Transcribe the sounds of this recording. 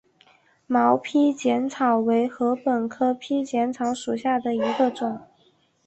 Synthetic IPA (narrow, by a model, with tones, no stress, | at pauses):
mɑ˧˥ʊpʰi˥t͡ɕjɛ˧˥nt͡sʰɑ˨˩ʊwe˧˥ɪxɤ˧˥pə˨˩nkʰɤ˥pʰi˥t͡ɕjɛ˧˥nt͡sʰɑ˧˥ʊʂu˨˩ɕja˥˩d̪ə˩i˧˥ɡə˧ʈ͡ʂʊ˨˩˦ŋ